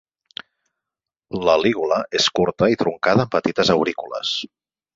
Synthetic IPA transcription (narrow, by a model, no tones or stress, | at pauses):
ləliɣuləʔeskuɾt̪əit̪ɾuŋkaðəːmpət̪it̪əzəwɾikulə̰s